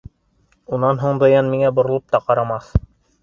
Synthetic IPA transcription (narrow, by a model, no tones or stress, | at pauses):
unɑnɦuɴd̪ɤ̆jɑnmiŋæbŏɾŏlˠop̚t̪ɑqɑɾɑmɑθ